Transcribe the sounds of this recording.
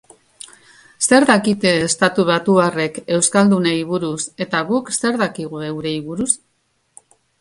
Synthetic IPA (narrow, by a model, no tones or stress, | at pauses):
se̞ɾðakit̪e̞ːst̪at̪uβ̞at̪uare̞ke̞wskald̪uneiβ̞uɾuse̞t̪aɣukse̞ɾðakiɣ̞ue̞wuɾe̞iβuɾus